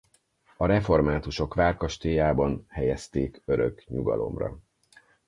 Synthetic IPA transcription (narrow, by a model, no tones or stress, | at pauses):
ɒɾɛfo̞rmaːt̪uʃo̞kʋaːrkɒʃt̪eːjaːbɒnhɛjɛst̪eːkø̞ɾø̰kɲuɡɒ̰lo̞̰mrɒ̰